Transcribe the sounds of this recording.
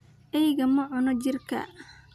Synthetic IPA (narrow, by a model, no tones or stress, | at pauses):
ʔɛjɣɐmɐʕʊnɔt͡ʃɪrkʰɐ̰